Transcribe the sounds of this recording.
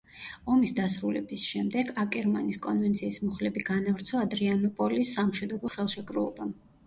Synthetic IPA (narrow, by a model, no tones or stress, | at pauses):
ɔmisd̪asɾulɛ̰bisʃɛmd̪ɛɡakʼɛɾmaniskʼɔnvɛnt̪sʰiːsmɔχlɛbiɡanavɾt̪sʰɔad̪ɾianɔpʼɔlisːamʃwid̪ɔbɔχɛlˠʃɛkʼɾṵlˠɔ̰bam